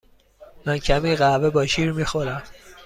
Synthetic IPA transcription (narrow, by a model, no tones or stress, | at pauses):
mæncʰæmiːɢævebɒːʃiːɾmiːxoɾæm